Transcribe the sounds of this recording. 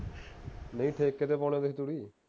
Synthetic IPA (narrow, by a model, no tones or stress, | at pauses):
nəĩːʈʰeːkːeːt̪epɔːñẽːd̪eit̪uɽiː